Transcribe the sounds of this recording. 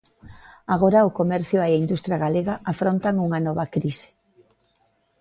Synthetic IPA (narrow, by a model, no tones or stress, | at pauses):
aɣ̞oɾɐʊkomɛɾθjʊeaind̪ust̪ɾjaɣaleɣaʔafɾont̪aŋuŋanɔβɐkɾise̥